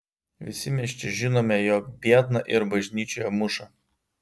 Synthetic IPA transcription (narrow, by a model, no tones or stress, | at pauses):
ʋʲɪsʲɪmʲɛʃʲt͡ʃʲɪʒʲɪnoːmʲɛjɔːkbʲiɛt̪nɐʔɪɾbɐʒʲnʲiːt͡ʃʲoːjɛmʊʃɐ